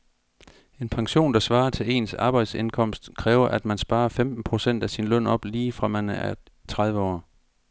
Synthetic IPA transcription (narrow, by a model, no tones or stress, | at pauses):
e̝npʰɑ̈ŋɕo̝̰ːnd̥ɑ̈sʋɑ̈ːɐt͡sʰe̝le̝̰ːnsɑ̈ːb̥ɑ̈ɪd̥se̝nkʰɒ̽m̰sd̥kʰʁɛːʊɐʔæd̥mænsb̥ɑ̈ːɐfemd̥n̩pʰʁo̝sen̰d̥æsinlœn̰ɒ̽b̥liːfʁɑ̈mænəæ | t͡sʰʁað̞ˠʋəɒ̰ː